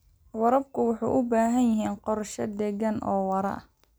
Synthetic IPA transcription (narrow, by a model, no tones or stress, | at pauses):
wɑɾɐb̚kʰʊwʊħɑ̰jʔʊbaːɦɐnjɪɦiːnqɔrʃɐd̪ɛɣɐnʔɔːwɐɾɐ̰